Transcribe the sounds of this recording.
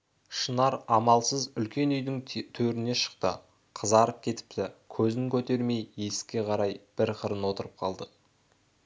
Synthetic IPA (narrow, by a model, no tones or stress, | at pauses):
ʃənɑɾɑmɑlˠsəzʏlkʲe̞nʏjd̪ɪŋt̪ʰɵɾɪne̞ʃə̥qt̪ə̰ | qʰəzɑɾəp̚kʲʰe̞t̪ɪ̥p̚t̪ɪkʲʰɵzɪŋkʲʰɵt̪e̞ɾme̞jje̞skʲe̞qʰɑɾɑjb̥ɪɾqʰəɾənwo̞t̪əɾəp̚qʰɑlˠd̪ə